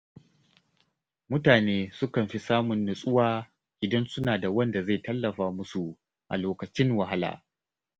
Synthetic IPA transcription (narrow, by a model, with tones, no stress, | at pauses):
mʊ˦taː˨neː˦sʊ˦kɐ˨mɸi˦saː˦mʊ˨nːʊ˨sʼʊ˦waː˦ | ʔɪ˨dɐ˦nsʊ˦naː˨da˨wɐ˦nda˨za˦˨jtɐ˦lːɐ˨ɸaː˦mʊ˦su˨ | ʔa̰˨loː˨kɐ˨t͡ʃɪ˦ŋwa˨ɦa˦la̰ː˨